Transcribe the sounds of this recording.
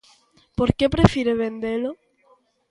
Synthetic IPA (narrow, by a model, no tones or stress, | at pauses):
poɾkepɾefiɾeβend̪elo